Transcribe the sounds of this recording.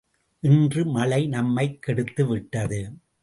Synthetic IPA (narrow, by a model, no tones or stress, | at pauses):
ʔɪndrɯmɐɭɐɪnɐmːɐɪkːɛɽɯt̪ːɯʋɪʈːɐðɯ